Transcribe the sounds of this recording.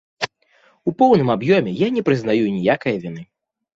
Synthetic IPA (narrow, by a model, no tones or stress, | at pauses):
upɔwnɨmabjɔmʲɛjanʲɛpɾɨznajunʲijakɐjɐvʲinɨ